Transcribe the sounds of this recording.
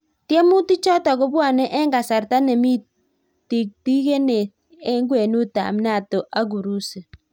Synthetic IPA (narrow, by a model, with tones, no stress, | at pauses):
tje˦mu˦ti˦t͡ʃɔ˦tɔ˨ko˦bwa˦˨nɛ˦ʔɛ˦ŋɡa˨sa˨ɾta˦ne˨mi˦ | ti˨k̚ti˦ke˦ne˨ | e˦ŋɡwe˨nu˦ta̰˨m˦na˦˨to˨ʔa˦ɡ̬u˨ɾu˦se˨